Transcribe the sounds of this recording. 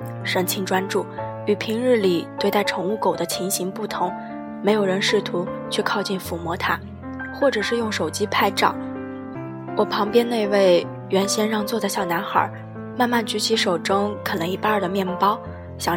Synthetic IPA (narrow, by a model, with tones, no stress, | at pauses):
ʂə˧˥˩ŋt͡ɕʰi˧˥ŋʈ͡ʂwa˥nʈ͡ʂu˥˩ | y˨˩pʰi˧˥ŋɻɻ̩˥˩li˨˩t̪we˥˧ɪt̪a˥˩ɪʈ͡ʂʰɤ˧˥ŋu˥˩ko˨˩ʊd̪ə˦t͡ɕʰi˧˥ŋɕi˧˥ŋpu˥˩t̪ʰʊ˧˥ŋ | me˧˥ɪjo˨˩ʊɻə˧˥nʂɻ̩˥˩t̪ʰu˧˥t͡ɕʰɥɛ˥˧kʰɑ˥˧ʊt͡ɕi˥˩nfu˧˥mwɔ˧˥t̪ʰa˥ | xwɔ˥˩ʈ͡ʂɤ˨˩ʂɻ̩˥˧jʊ˥˩ŋʂo˨˩ʊt͡ɕi˥pʰa˥˧ɪʈ͡ʂɑ̰˥˩˦ŋ | wɔ˨˩pʰɑ˧˥ŋpjɛ˥nne˥˧ɪ˧we˥˩ɪ | ɥɛ˧˥nɕjɛ˥nɻɑ˥˧ŋt͡swɔ˥˧t͡sa˥˧ɪɕjɑ˥˩na˧˥nxə̰˞˨˩˦ | ma˥˧nma˥˩nt͡ɕy˧˥t͡ɕʰi˧˥ʂo˨˩ʊʈ͡ʂɤ˥ŋkʰə˨˩nɤ˧˥ŋi˧˩pa˥˩d̪ə˩mjɛ˥˩npɑ˥ʊ | ɕjɑ˨˩